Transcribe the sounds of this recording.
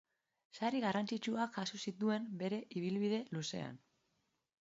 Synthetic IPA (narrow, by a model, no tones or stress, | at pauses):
saɾiɣarant͡sit͡ʃuakxasusit̪ue̞mbe̞ɾe̞ʔiβ̞ilβiðe̞luse̞̰a̰n